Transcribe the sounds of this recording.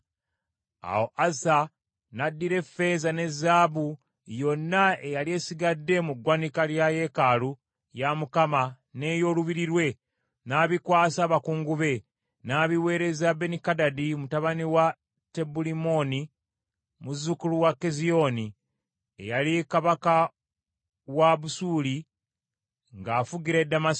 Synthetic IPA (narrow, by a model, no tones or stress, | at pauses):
a̰wo̞ʔasa | nadːiɾe̞fe̞zane̞zːaːβu | jo̞nːaejalie̞siɡadːe̞muɡwanikaljaje̞kalu | jamukama | ne̞ːjo̞ːluβiɾiɾwe̞ | naːβikwaːsaːβakuːŋɡuβe̞ | naːβiwe̞ːɾe̞zabe̞nikadadimutaβaniwa | te̞bulimo̞ni | muzukuluwakːezio̞ni | ḛjalikaβaka | waβusuːli | ŋɡaːfuɡiɾedːama